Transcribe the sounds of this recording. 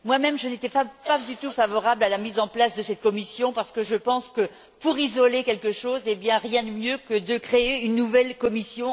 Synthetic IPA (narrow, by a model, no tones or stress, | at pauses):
mwamɛmʒənet̪ɛpapad̪yt̪ufavɔʁablalamizɑ̃plasd̪əsɛt̪̚kɔmisjɔ̃paʁsə̥kəʒəpɑ̃skə | puʁizɔlekʲɛlkəʃozebjɛ̃ʁjɛ̃d̪əmjøkəd̪əkχeeynːuvɛlkɔmisjɔ̃